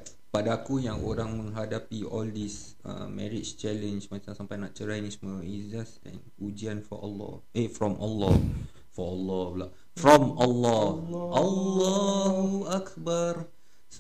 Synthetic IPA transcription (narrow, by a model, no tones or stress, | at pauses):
padaːkujaŋʔoɾaŋmə̃ŋɦadapiɔldis | ə̰mɛ̰̃ɾit͡ʃt͡ʃɛlə̃nsmãt͡ʃaŋsampajnaʔt͡ʃəɾajnisməizasɛ̰̃n | ud͡ʒianfɔ̰ʔa̰lːɔ̰ | ʔefɾɔmʔalːɔ | fɔalːɔlaʔ | fɾɔmalːɔʔalːɔɦuakbar | s